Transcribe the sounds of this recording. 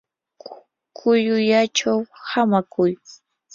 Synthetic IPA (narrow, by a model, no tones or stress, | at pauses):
kʰʊjʊjat͡ʃawhamakʊj